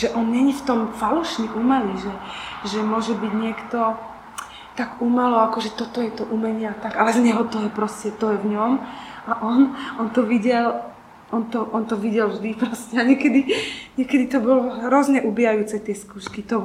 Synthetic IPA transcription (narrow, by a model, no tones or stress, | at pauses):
ʒɛʔɔnɲɛɲift̪ɔmfaluʃniʔumɛliʒɛʒɛmʊɔʒɛbiɟɲɪɛkt̪ɔ | t̪aɡumalɔakɔʒɛt̪ɔt̪ɔjɛt̪ɔʔumɛɲɪat̪aɡalɛzɲɛɦɔt̪ɔjɛpɾɔscɛt̪ɔjɛvɲɔmaʔɔnɔnt̪ɔʋiɟɛl | ɔnt̪ɔʔɔnt̪ɔʋiɟɛlvʒd̪ipɾɔscɛaɲɪɛkɛd̪iɲɪɛkɛd̪it̪ɔbɔlɔɦɾɔzɲɛʔubijajuːt͡sɛt̪ɪɛskuːʃkit̪ɔ